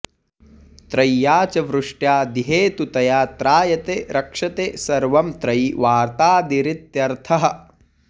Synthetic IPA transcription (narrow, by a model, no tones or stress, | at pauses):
t̪ɾɐjːaːt͡ʃɐʋɾuʂʈjaːd̪iɦeːt̪ut̪ɐjaːt̪ɾaːjɐt̪eːɾɐkʂɐt̪eːsɐɾʋɐmt̪ɾɐjʋaːɾt̪aːd̪iɾit̪jɐɾt̪ʰɐɦɐ